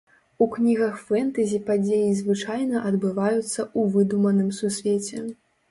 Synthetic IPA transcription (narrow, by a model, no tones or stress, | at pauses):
uknʲiɣɐxfɛnt̪ɐzʲipad͡zʲejizvɨt͡ʂajnɐʔɐd̪bɨvajut̪sːɐuvɨd̪umɐnɨmsusʲvʲet͡sʲɛ